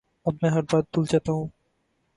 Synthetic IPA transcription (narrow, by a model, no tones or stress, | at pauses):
ɐbmɛ̃ɦɐɾbaːt̪̚ːʊld͡ʒaːt̪aɦũː